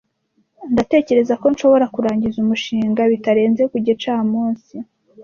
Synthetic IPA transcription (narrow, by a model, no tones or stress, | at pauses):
ndate̞ːce̞ɾe̞zako̞nʃo̞βo̞ɾakuɾaːɲɟizumuʃiːŋɡaβitaɾe̞ːnzekuɟet͡ʃaːmuːnsi